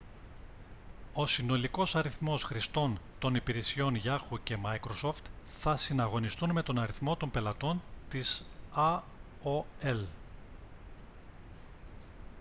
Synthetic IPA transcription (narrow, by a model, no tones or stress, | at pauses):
o̞sino̞liko̞sɐɾiθmo̞sxɾist̪o̞nt̪o̞nipiɾesio̞nʝɐxuce̞mɐjkɾo̞so̞ft̪ | θɐsinɐɣo̞nist̪unme̞t̪o̞nɐɾiθmo̞t̪o̞mpe̞lɐt̪o̞nt̪isɐ | oel